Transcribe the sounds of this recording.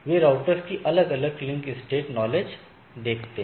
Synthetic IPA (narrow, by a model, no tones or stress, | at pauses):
ʋeːɾaːʊʈəɾskiʔɐləɡɐləɡ̚klɪmkɪsʈeːʈnɔːled͡ʒ | d̪eːkʰt̪eɦ